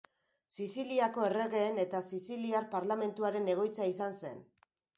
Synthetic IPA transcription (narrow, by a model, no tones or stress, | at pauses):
sisiliako̞e̞re̞ɣe̞ːne̞t̪asisiliaɾpaɾlame̞nt̪uaɾe̞ne̞ɣ̞o̞jt͡saisanse̞n